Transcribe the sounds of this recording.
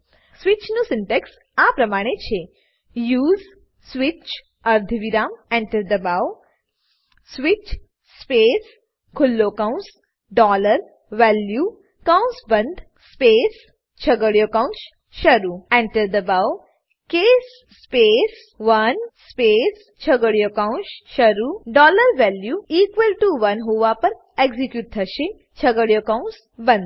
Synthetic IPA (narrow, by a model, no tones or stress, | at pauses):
sʋit͡ʃnũsɪɳʈeks | apɾəmaɽ̃et͡ʃʰe | juːz | sʋit͡ʃ | əɾd̪ʱʋiɾamɛ̃ɳʈəɾd̪əbaw | sʋit͡ʃ | spes | kʰulːokaũns | ɖɔləɾ | ʋɛlju | kaw̃nsbə̃nd̪ʱ | spes | t͡ɕʰəɡəɽjokãw̃ns | ʃəɾuɛ̃ɳʈəɾd̪əbaw | kesː | pes | ʋɐnspes | t͡ɕʰəɡəɽjokaw̃nsʃəɾuɖɔləɾʋɛljuikʋəlʈuʋɐnɦuʋapəɾ | eɡzikjuʈ̚t̪ʰəʃĩŋ | t͡ɕʰəɡəɽjokãw̃ns | bə̃nd̪